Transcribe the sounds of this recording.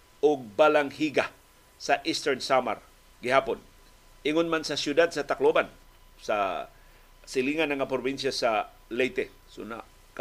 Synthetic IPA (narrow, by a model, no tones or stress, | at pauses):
ʔʊɡ̚balaŋhiɡa | sɐʔist̪ɛɹnsama̰ɾ | ɡɪhaːpon | ʔɪŋʊnmansɐsjʊd̪ad̪̚sɐt̪akloban | sa̰ | sɪliːŋanaŋapɾʊbinsjasa | lɛjt̪ɛ | sʊna̰ | k